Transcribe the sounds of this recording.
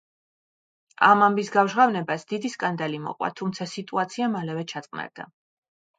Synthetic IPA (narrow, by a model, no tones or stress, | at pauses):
a̰mambisɡavʒʁavnɛbasd̪id̪iskʼand̪alimɔ̰qʼwa̰t̪ʰumt̪sʰasit̪ʼuat̪sʰiamalɛvɛt͡ʃʰat̪sʼqʼna̰ɾd̪a̰